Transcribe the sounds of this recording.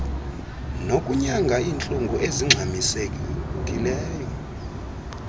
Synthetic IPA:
nokʼuɲaŋɡʱaiːnt͡ɬʼuŋɡʱuʔeziŋ͡ǁʱamisekʼiutʼileːjɔ

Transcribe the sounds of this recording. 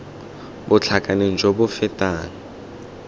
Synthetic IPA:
bʊt͡ɬʰakʼaneŋ̩d͡ʒobʊfɛtʼaːŋ̩

